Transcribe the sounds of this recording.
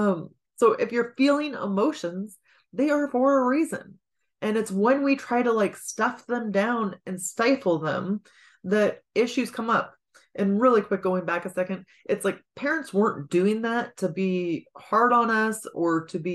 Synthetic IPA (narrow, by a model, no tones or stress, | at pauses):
ʌ̃m | soʊʔɪfjə˞filˠɪ̃ŋə̰moʊʃɨ̃nz | ðeɪə˞fə˞əɹizɨ̰̃n | ʔɨ̃nɨtswə̃nwitʰɹ̥aɪɾəlaɪkstʌfðə̃mdãʊ̃nɨ̃nstaɪfl̩ˠðə̰̃m | ðɨɾɪʃʉz̥kʰʌ̃mʌp̚ | ʔɨ̃nɹɪlˠikʰw̥ɪk̚ɡ̥oʊɪ̃ŋbækɨsɛkɨ̃nd̥̚ | ʔɨtslaɪk̚pʰɛɹɨ̃ntswɜ̃˞nd̥ʉɪ̃ŋðætʰɨbihɑɹɾn̩ʌsə˞ɾɨbi